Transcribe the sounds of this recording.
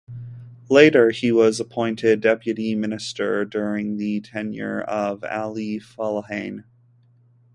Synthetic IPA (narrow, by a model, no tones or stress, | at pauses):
leɪɾə˞iwʌzəpʰɔ̃ɪ̃ntʰɪdɛpjɨɾimɪ̃nɨstə˞dʊɹɪ̃ŋðɨtʰɛ̃njɪ̰ɹʌvæ̰lˠifɑlˠəhẽɪ̃n